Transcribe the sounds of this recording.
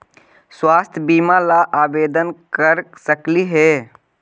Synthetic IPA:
swaːst̪ʰjəbiːmalaʔaːbeːd̪ənkəɾsəkliɦɛ

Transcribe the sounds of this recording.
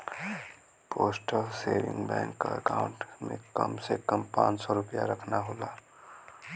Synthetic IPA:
poːsʈəlseːɾɪ̰̃ŋɡbɛ̃ːŋkːaəkaːʊ̃ɳʈmẽkəmsekəmpã̰ːt͡ʃsɔɾʊpja̰ɾəkʰnaɦoːlaː

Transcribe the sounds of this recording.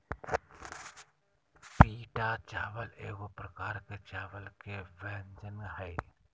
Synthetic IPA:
piːʈat͡ʃaːʋəleːɡopɾəkaːɾket͡ʃaːʋəlkeʋɛːnd͡ʒənɡɦɛː

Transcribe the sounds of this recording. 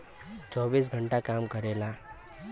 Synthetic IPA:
t͡sɔʋiːs̬ɡʱəɳʈakamkəɾela

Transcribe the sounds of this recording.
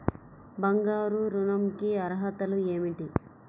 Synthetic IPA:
bɐŋɡaːɾuɾunɐmkiɐɾɐɦɐt̪ɐlueːmiʈi

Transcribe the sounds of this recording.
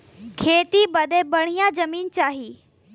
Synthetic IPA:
kʰeːt̪ibɐd̪ebɐɽ̤̃ijãd͡ʑɐmiːnt͡ɕaːɦiː

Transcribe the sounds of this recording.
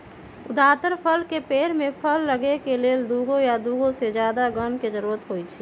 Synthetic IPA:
ʊd̪aːt̪əɾpʰəlkepeːɾmẽpʰəlːəɡekeleːld̪uːɡõjad̪uːɡõsed͡ʒjaːd̪aɡənked͡ʒəɾuːɾət̪ɦoit͡ʃʰɛ

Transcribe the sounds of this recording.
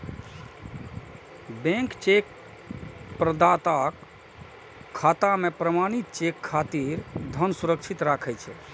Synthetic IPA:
bẽŋkt͡ʃek | pɾəd̪at̪ak | kʰːat̪amepɾəmañit̪̚t͡ʃekʰːat̪iɾd̪ʱənsuɾəkt͡ʃʰit̪ɾakʰɛjt͡ʃʰɛ

